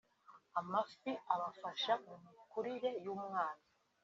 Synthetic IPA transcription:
amafiaβafaʃamumukuɾiɾe̞juːmŋaːna

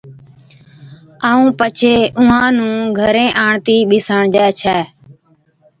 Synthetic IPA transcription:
aːũːpət͡ʃʰeːʔʊ̃ãːnũːɡʱəɾẽːʔaːɳt̪iːɓɪsəɳd͡ʒɛːt͡ʃʰɛː

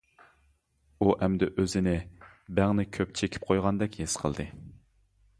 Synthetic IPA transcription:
uʔɛmd̪ɛʔøzɪnɪbæŋnɪkʲʰøp̚t͡ʃʰekʲʰi̥p̚qʰojʁɑnd̪ɛkʲhesqʰə̰lˠd̪ɨ

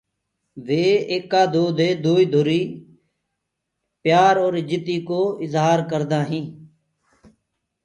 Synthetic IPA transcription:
ʋeːeːkːaːd̪oːd̪eːd̪oːiːd̪ʱoːɾiː | pjaːɾoːɾɪd͡ʒɪt̪iːkoːɪzɦaːɾkəɾd̪ãːɦĩː

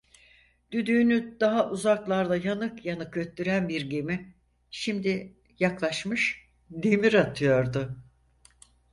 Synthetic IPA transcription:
d̪̥yd̪yːnyd̪̥aɦaʔuzaklˠaɾd̪ˠajanɯkjanɯkøt̪ːyɾænbiɾɟemi | ʃimd̪i | jaklˠaʃmɯʃ | d̪emiɾat̪ʰɯjo̞ɾd̪ʊ

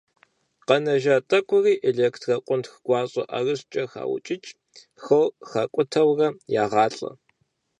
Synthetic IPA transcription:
qɐnɐʒaːtʼɐkʷʼʊriːʔeɮeːkʰtʰrɐqʷʼʊntxɡʷɑːɕʼɐ̰ʔɐrɨɕt͡ʃʼɐxa̰ːwʊ̰t͡ʃʼɪt͡ʃʼ | xɐwxɐkʷʼʊtʰɐwrɐjaːʁɑːɬʼɐ̰

